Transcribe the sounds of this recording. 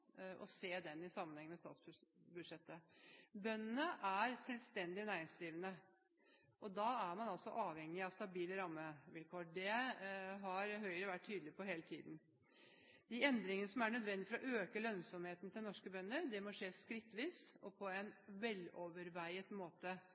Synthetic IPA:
ɔ̰seːd̪ɛnːɪsɑmːənhɛŋːmɛst̪ɑ̰ːt̪sbʉd̪ʂɛt̪ːəbœnːənəʔæɾsɛlst̪ɛnd̪ɪnæːɾɪŋsliːʋənə | ʔɔd̪ɑæɾmɑnɑlsɔʔɑːʋhɛŋːɪɑʋst̪ɑbiːləɾɑmːəʋɪlkʰoːɖɛ | ɦɑɾɦœʏəɾəʋæʈ̚tʰːyːd̪l̩ɪpʰɔɦeːlət̪ʰiːd̪n̩ | d̪̥ɪɛnd̪ɾɪŋənəsɔmæɳœd̪ʋɛnd̪ɪfɔɾɔʔøːkəlœnsɔmheːt̪n̩t̪ʰɪlnɔʂkəbœnːəɾd̪ɛmɔʂeːskɾɪt̪ːʋiːsɔpʰɔɛnʋɛloʋəɾʋæɪət̪moːt̪ə

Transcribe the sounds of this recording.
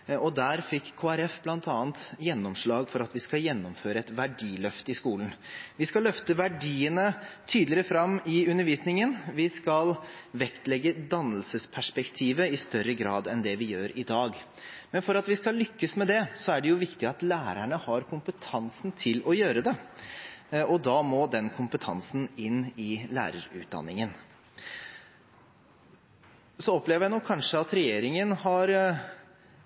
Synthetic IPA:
ɔd̪æːɾfɪkːʰoːæɾɛfblɑnt̪ɑːənt̪jɛnːɔmʂɭɑːɡfɔɾɑt̪ʋɪskɑljɛnːɔmføːɾəɛt̪ʋæɖiːlœft̪ɪskuːlən̩ʋɪskɑlːœft̪əʋæɖiːənət̪ʰyːd̪lɪɾfɾɑmːɪʉnːəɾʋiːsnɪŋənʋɪskɑlʋɛkt̪lɛɡːəd̪ɑnːəlsəspʰæʂpɛkt̪ʰiːʋəɪst̪œɾːəɡɾɑːd̪ɛnd̪ɛʋɪjøːɾɪd̪ɑːɡ | mɛnfɔɾɑt̪ʋɪskɑlːʏkːəsmɛd̪ɛsɔæɖɛjʊʋɪkt̪ɪɑt̪læːɾæɳəhɑɾkʰʊmpət̪ʰɑnsn̩t̪ʰɪlɔjøːɾəd̪ɛ | ɔd̪ɑːmoːd̪ɛnkʰʊmpət̪ʰɑ̰nsn̩ɪnːɪlæ̰ːɾə̰ɾʉ̰ːt̪̚d̪ɑ̰nːɪŋən | sɔɔpleːʋəjænɔkʰːɑnʂəɑt̪ɾɛjeːɾɪŋənhɑɾ

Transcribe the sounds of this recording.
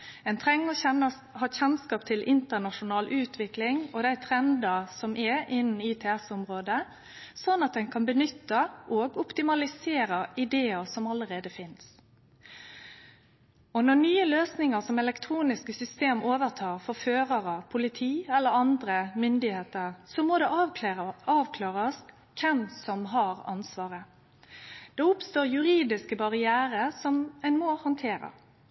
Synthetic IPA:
ɛnt̪ʰʁɛŋːɔɛ | hɑːçɛnskɑːp̚t̪ʰɪlʔɪnt̪ənɑʂʊnɑːlʔʉːt̪ʰʋɪklɪŋɔd̪æɪt̪ʰɾɛnd̪əsɔmʔɛɪnːn̩iːt̪ʰɛɛsɔmʁoːd̪ə | sɔnːɑt̪̚d̪ɛnkʰɑnbənʏt̪ːəʔoːɡʊpt̪ɪmɑlɪseːɾəɪd̪eːəsɔmɑləɾeːd̪əfɪns | ɔnɔnyːəløːsnɪŋəʁsɔmɛlɛkt̪ʰɾuːnɪskəsʏst̪eːmoːʋəʁt̪ʰɑːʁfɔɾføːʁɑɾɑpʰʊlɪt̪ʰiːɛlːəɾɑnd̪ɾəmʏnd̪ɪheːt̪əɾsɔmɔd̪ɛ | ɑːʋkʰlɑːɾəs | kʰɛmsɔmɦɑɾɑ̰nsʋɑːʁə | d̪̥ɛʊpst̪oːɾjʉɾiːd̪ɪskəbɑʁɪæːɾəsɔmæɪnmoːhɑnt̪ʰeːɾə̰

